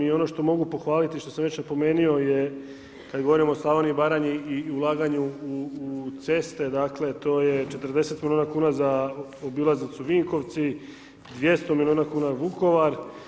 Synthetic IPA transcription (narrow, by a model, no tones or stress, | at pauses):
io̞no̞ʃt̪o̞mo̞ɡupo̞xʋaːlit̪iʃt̪o̞samʋet͡ʃnepo̞me̞ːnio̞je | kad̪ɡo̞ʋoɾimoslˠaːʋanibaːɾaɲiiulˠaːɡaɲuː | t̪se̞st̪e̞d̪akle̞t̪o̞ːjet͡ʃe̞t̪ərɾd̪e̞se̞t̪milionakuːnazaobilaznit̪suʋiŋko̞ʋt̪si | d̪ʋje̞st̪o̞milijoːnakuːnaʋuko̞ʋaɾ